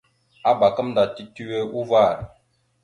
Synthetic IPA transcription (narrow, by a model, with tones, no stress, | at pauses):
a˦ba˨kə˦mda˨ti˦ti˦we˦u˦va˦˨ɾ